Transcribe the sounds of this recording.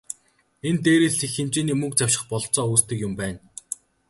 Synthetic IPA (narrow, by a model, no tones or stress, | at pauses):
ent̪eːɾiːɮixemt͡ɕiːniːmɵk̚t͡saw̥ʲʃɪ̆χpɔɮt͡sɔːuːst̪ɘ̆kjʊmpæːn